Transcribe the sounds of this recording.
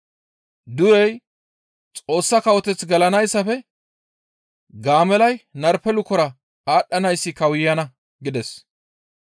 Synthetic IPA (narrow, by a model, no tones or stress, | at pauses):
d̪ʊɾɛj | t͡sʼo̞ːsːɐkɐwɔt̪ɛt͡sɡɐlɐnɐjsːɐfɛ | ɡaːmɛlɐjnɐɾpɛlʊkɔɾɐ | aːɗːɐnɐjsːɪkɐwɪjːɐnɐ | ɡɪd̪ɛs